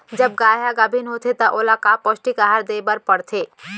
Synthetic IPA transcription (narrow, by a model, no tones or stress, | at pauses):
d͡ʒɐb̚ɡaːjaɡabʱinɦoːt̪ʰet̪ɐʔoːlakapɔsʈikaɦaɾd̪eːbəɾpɐɽt̪ʰeː